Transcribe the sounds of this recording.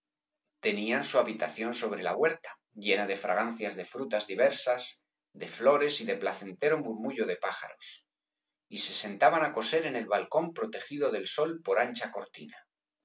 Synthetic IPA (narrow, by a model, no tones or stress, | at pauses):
t̪e̞niansuaβit̪aθjo̞nso̞β̞ɾe̞la̰ɣwe̞ɾt̪ḁ | ʎe̞nað̞e̞fɾa̰ɣ̞an̟θjazðe̞fɾut̪azðiβe̞ɾsas | ðe̞flo̞ɾe̞siðeplaθe̞nt̪e̞ɾo̞muɾmuʝo̞ð̞e̞paxa̰ɾo̞s | ise̞se̞nt̪aβ̞anako̞se̞ɾe̞ne̞lβalko̞mpɾo̞t̪e̞xiðo̞ðe̞lso̞lpo̞ɾant͡ʃako̞ɾt̪ina